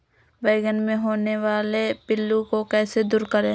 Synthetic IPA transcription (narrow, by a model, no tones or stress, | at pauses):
bəɪɡənmẽɦoːneʋaːlepɪlːukokɛːsed̪uːɾkəɾẽ